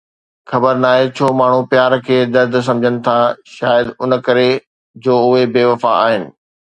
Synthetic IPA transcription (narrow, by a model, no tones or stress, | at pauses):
xɐbəɾnaːɦet͡ɕʰoːmaːɳ̤upjaːɾkʰeːd̪ɐɾd̪ʱs̬ɐ̃md͡ʑʱənɪ̆t̪ʰaʃaːjəd̪ʊnə̆kɐɾe | d͡ʑoːʊɦebeːʋɐfa̰a̰ːɦɪnɪ̆